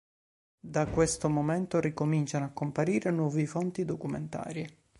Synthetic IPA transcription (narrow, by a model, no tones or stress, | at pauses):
d̪akwest̪omomɛnt̪orikomint͡ʃanoakːompaɾiːɾenwɔːvifont̪id̪okumḛnt̪a̰ːɾje